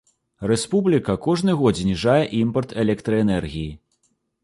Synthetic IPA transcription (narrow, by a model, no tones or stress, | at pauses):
rɛspublʲikɐkɔʐnɨɣɔzʲnʲiʐajɛʔimpɐrt̪ʰɛlʲɛkt̪ɾɐɛnɛrɣʲiji